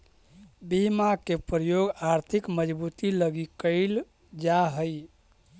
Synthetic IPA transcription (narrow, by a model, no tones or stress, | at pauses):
bimakepɾəjoɡaɾt̪ʰikməd͡ʒbut̪iləɡikəɪl | d͡ʒaɦəj